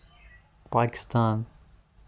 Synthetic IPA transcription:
pakɪ̥st̪ãːn

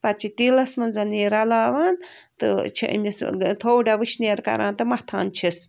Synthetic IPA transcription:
pɐt͡ʃʰit̪ilɐsmɐnzɐniːɾɐlaːʋaːnt̪ɨ̰t͡ʃʰḭʔmʲist̪ʰoːwɖaʋɨt͡ʃʰneːɾkɐ̰ɾa̰ːnt̪ɨmɐt̪ʰa̰ːnt͡ʃʰis

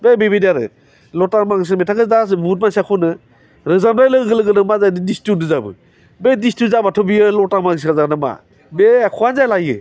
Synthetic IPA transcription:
bebebediaɾɯ̰ | lɔtamaŋs̬ɯnmetʰakɯzasbut̬̚mansakʰunɯ | ɾɯzamɾajlɯɡɯlɯɡɯnɯmazajdidistunɯzabɯ̰ | bedistuzabatʰɔbijɯlɔtamaŋɡs̬kazanɯma̰ | beakʰɔanzajlajɯ̰

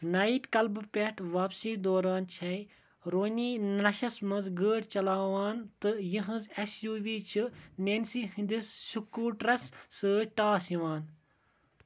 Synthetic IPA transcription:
nɐiʈkɐlbpʲeʈʰʋaːpsiːd̪oːɾaːnt͡ʃʰɐi | ɾoːniːnɐʃɐsmɐnzɡəːɽt͡ʃɐlaːʋaːnt̪ɨjiɦɐ̃zɐsjuːʋiːt͡ʃʰɨnensiɦĩnd̪isʃukːuːʈɾɐsːɨʈaːsiʋaːn

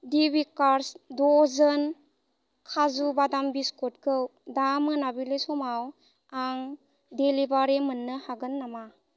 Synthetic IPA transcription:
dibikaɾsdɔzən | kʰazubadambiskɔt̚kʰɯwdamɯnabilesɔmaw | aŋ | delibaɾemɯnːɯhaɡɯnːama

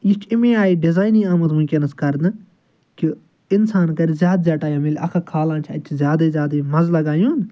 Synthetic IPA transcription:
jit͡ʃʰimẽaːiɖɪzaːjnĩːaːmɐt̪mʊ̃kʲenɐskɐɾd̪ɨ | ki | ɪnsaːnkɐɾizʲjaːd̪zʲjaːʈaːjãːmɪlʲɐ̰kʰakʰaːlãːnt͡ʃʰɐ̰t͡ʃʰzʲjaːd̪ɐzʲjaːd̪emɐzlɐɡaːjũːn

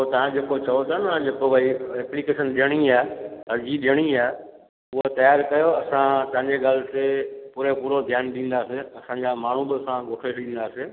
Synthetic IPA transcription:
ot̪ɐʋ̤ãd͡ʑeːkot͡ɕɐjot̪ɐnãd͡ʑeːkoʋɐiɛplikeːʃənɗijəɽ̃iaːɐɾd͡ʑiɗɪjəɽ̃iaː | ʊɦot̪ɐjaːɾkɐjoɐsãt̪ɐ̃ɦɪ̃ɲd͡ʑeɡaːl̤ɪt̪epuːɾepuːɾod̪ʱjaːnɗĩːn̆d̪aːseɐsãːɲd͡ʑamaːɳ̤ubɪɐsãɡʱoːʈʰeʃɗĩːnd̪aːseː

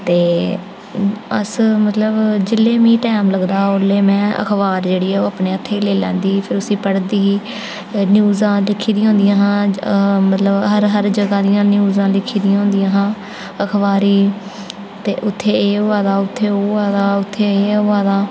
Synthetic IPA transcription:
t̪eː | ə̰smət̪ləbd͡ʒɪlːeːmĩːʈɛːmləɡd̪aːʊleːmɛ̃ːə̰kʰbaːɾd͡ʒeːɽiːɛːoːəpneːət̪ʰːeːleːlɛ̰̃ːnd̪iːpʰɪɾʊsĩːpəɽd̪iːɦiː | nɪjuːzãːlɪkʰːiːd̪ĩjãːɦõːnd̪ɪjãːɦãːmət̪ləbɦəɾɦəɾd͡ʒəɡãːd̪ɪjãːnɪjuːzãːlɪkʰːiːd̪ijãːɦʊ̃ːnd̪ɪjãːɦãː | əkʰbaːɾiː | t̪ḛːʔʊt̪ʰːeːeːoːaːd̪aːʊt̪ʰːeːoaːd̪aːʊt̪ʰːeːeːoːaːd̪aː

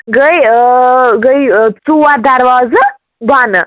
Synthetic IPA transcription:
ɡəj | ɡəjt͡suwad̪ɐɾʋaːzɐ | baːnɐ

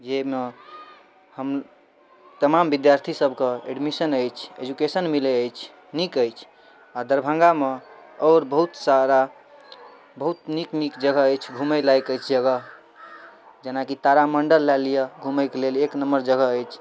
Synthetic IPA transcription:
d͡ʒeme | həm | t̪əmambid̪jaɾt̪ʰisəbʱkeḛɖmisənəjt͡ʃʰḛd͡ʒukesənmileəjt͡ʃʰ | nikəjt͡ʃʰ | ad̪əɾbʱə̃ŋɡameɔːɾbəɦut̪saɾa | bəɦut̪niknikd͡ʒəɡəəjt͡ʃʰɡʱuməjlajkəjt͡ʃʰd͡ʒəɡə | d͡ʒenakit̪aɾaməɳɖəlːɛlijəɡʱuməjkeleleknəməɾd͡ʒəɡəəjt͡ʃʰ

